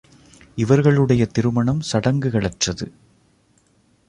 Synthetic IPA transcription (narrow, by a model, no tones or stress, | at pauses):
ɪʋɐɾɣɐɭɯɽɐjɐt̪ɪɾɯmɐɳɐmsɐɽɐŋɡɯɣɐɭɐʈrɐðɯ